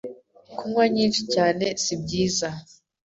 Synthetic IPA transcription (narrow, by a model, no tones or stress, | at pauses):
kumwaɲiːnʃicaːne̞sibɟiːza